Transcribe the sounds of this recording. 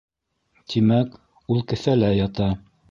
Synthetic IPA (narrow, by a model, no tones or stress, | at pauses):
t̪imæk | ulˠkɘ̆θælæjɑt̪ɑ